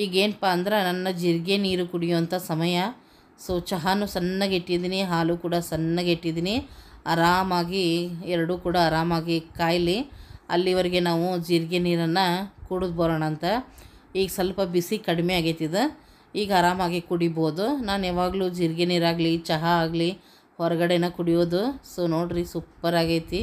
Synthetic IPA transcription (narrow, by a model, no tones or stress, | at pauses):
iːɡeːnpaːɐnd̪ɐɾenɐnːɐd͡ʒiɾɡeniːɾukuɽijuʋɐnt̪ʰɐsɐmɐjɐ | soːt͡ʃɐɦanusɐnːɐɡeʈːid̪iːniɦaːluːkuːɽɐsɐnːɐɡeʈːid̪iːniɐɾaːmaːɡiɛɾɐɽuːkuːɽɐːɾaːmaːɡikaːjɐliɐ̰lːiʋɐɾiɡe̞naːʋud͡ʒiɾɡeniːɾɐnːɐkuɽud̪boːɾaːɳɐːnt̪ɐ | iːɡɐsɐlpɐbisikɐɽimeaːɡet̪ːid̪e | iːɡɐɐɾaːmaːɡikuɽiboːd̪unaːneːʋaːɡɐluːd͡ʒiɾɡeniːɾaːɡlit͡ʃɐɦɐaːɡli | hɔɾɐɡɐɽenɐkuɽijoːd̪usoːnoːɽɾisupːɐɾaːɡejt̪i